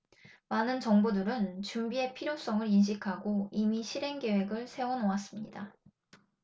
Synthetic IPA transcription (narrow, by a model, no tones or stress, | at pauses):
manɯnt͡ɕʌŋbudɯɾɯnt͡ɕumbie̞pʰiɾjos͈ʌŋɯɾinɕ̬ʰikʰaɡoimiɕʰiɾe̞ŋɡe̞we̞ɡɯɭsʰe̞wʌnowas͈ɯmɲida